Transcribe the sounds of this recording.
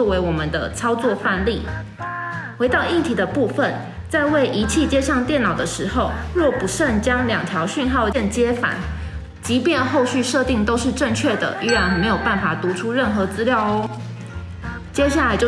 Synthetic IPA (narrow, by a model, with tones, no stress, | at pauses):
ɔ˥˩we˧˥ɪwɔ˨˩mə˨nd̪ə˩t͡sʰɑ˥ʊt͡swɔ˥˧fa˥˧nli˥˩ | xwe˧˥ɪt̪ɑ˥˧ʊi˥˩nt̪ʰi˨˥d̪ə˦pu˥˩fə˨n | t͡sa˥˧ɪwe˥˩ɪʔi˧˥t͡ɕʰi˥˩t͡ɕjɛ˥ʂɑ˥˧ŋt̪jɛ˥˩nɑ˨˩ʊd̪ə˦ʂɻ̩˧˥xo˥˧ʊɻwɔ˥˩pu˧˥ʂə˥˨˩nt͡ɕjɑ˥ŋljɑ˨˩ŋt̪ʰjɑ˧˥ʊɕy˥˧nxɑ˥˩ʊɛ˥˩nt͡ɕjɛ˥fa̰˨˦n | t͡ɕi˧˥pjɛ˥˧nxo˥˧ʊɕy˥˧ʂɤ˥˧t̪i˥˩ŋt̪o˥ʊʂɻ̩˥˧ʈ͡ʂə˥˧ŋt͡ɕʰɥɛ˥˩d̪ə̰˩y˥ɻa˧˩n˨˩me˧˥ɪjo˨˩ʊpa˥˩nfa˨˩t̪u˨˧˥ʈ͡ʂʰu˥ɻə˥˩nxɤ˧˥t͡sɹ̩˥ljɑ˥˩ʊ˦ | t͡ɕjɛ˥ɕ̬ja˥˩la˨˥ɪt͡ɕjo˥˧˩